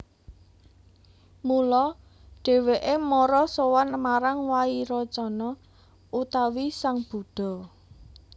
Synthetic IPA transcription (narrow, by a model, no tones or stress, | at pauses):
mulɔ | ɖ̥e̤weʔemɔɾɔsowanmaɾaŋwaiɾɔt͡ʃɔnɔ | ut̪awisaŋb̥ṳɖ̪̥ɔ̤